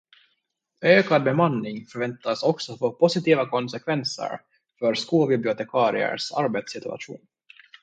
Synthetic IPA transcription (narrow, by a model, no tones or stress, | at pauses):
øːkad̪̚bɛmanːɪŋfœɾvɛnt̪asɔksɔfoːpʰʊsɪt̪iːvakʰɔnsɛkʰvɛnsə̰ɾ | fœɾskuːlbɪblɪʊt̪ɛkʰɑːɾɪ̰ə̰ɾʂa̰ɾbeːt̪sɪt̪ɵ̰a̰ɧṵːn